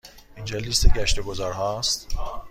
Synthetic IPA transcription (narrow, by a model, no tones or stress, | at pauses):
ind͡ʒɒːlist̪eɟæʃt̪e̞ɡozɒːɾɦɒːst̪